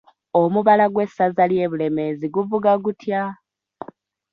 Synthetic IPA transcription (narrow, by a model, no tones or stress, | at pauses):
omuβalaɡwe̞sazalje̞ːβule̞me̞ziɡuvuɡaɡutʰja